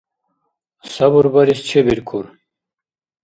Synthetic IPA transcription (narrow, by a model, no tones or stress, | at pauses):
sɐbuɾbɐɾist͡ɕʰebiɾkʰuɾ